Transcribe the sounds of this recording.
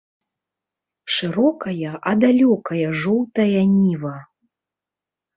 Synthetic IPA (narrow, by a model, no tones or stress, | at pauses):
ʂɨɾɔkɐjɐʔɐd̪alʲɔkɐjɐʐɔwt̪ɐjɐnʲivɐ